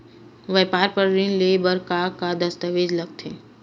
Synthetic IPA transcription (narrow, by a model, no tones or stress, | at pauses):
ʋɛːpaːɾpəɾɾĩnlebəɾkakad̪əst̪əʋeːd͡ʒləɡ̚t̪ʰeː